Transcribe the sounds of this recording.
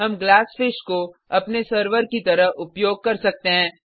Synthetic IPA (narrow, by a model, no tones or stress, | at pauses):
ɦɐmɡlaːsfɪʃkoɐpnesəɾʋəɾkit̪ɐɾəɦʊpjoːɡ̚kɐɾsɐk̚t̪eɦɛ̃ː